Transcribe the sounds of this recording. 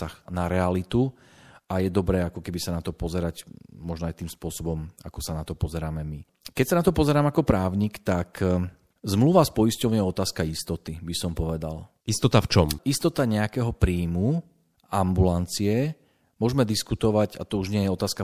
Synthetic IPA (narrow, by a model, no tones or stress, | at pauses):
axnaɾɛalit̪u | ajɛd̪ɔbɾɛːakɔkɛbisanat̪ɔpɔzɛɾacːɔʒnɔajt̪iːmspʊɔsɔbɔma̰kɔsanat̪ɔpɔzɛɾaːmɛmi | kɛcsanat̪ɔpɔzɛɾaːmakɔpɾaːʊɲiːkt̪ak | zmluʋaspɔjiscɔʊɲɛɔt̪aːskaist̪ɔt̪ibisɔmpɔʋɛd̪a̰l | ist̪ɔt̪aft͡ʃɔmist̪ɔt̪aɲɛakɛːɦɔpɾiːmu | ambulant͡siɛ | mʊɔʒmɛd̪iskut̪ɔʋaɟa̰t̪ɔuʒɲɪɛjɛɔt̪aːska